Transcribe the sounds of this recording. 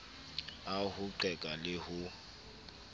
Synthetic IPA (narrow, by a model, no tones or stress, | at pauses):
ahʊǃɛkʼalɪhʊ